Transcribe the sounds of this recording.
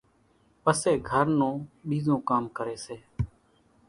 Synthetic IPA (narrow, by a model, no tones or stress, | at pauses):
pəseːɡʱəɾnõːɓiːzõːkaːmkəɾeːseː